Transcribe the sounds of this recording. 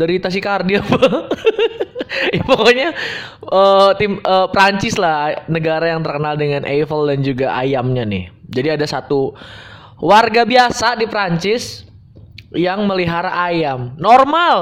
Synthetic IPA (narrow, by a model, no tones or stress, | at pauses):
dəɾit̪as̬ikardiapa | jpokoɲa | əːt̪ɪmʔəːpɾaɲt͡ʃɪslahnəɡaɾajaŋt̪ərkənaldəŋanʔefəldand͡ʒuɡaʔa̰jamɲanɪ̰hd͡ʒadiadasat̪u | warɡabiasadipəɾaɲt͡ʃɪs | jaŋməliɦaɾaʔajamnormal